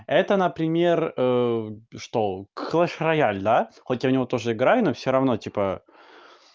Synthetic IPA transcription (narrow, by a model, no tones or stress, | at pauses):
ɛt̪ənəpɾʲɪmʲe̞rəʂt̪oklˠəʂrɐjalʲd̪axotʲːaʊnʲɪvo̞t̪o̞ʐɨɪɡɾajʊnofsʲoɾɐvno̞tʲipə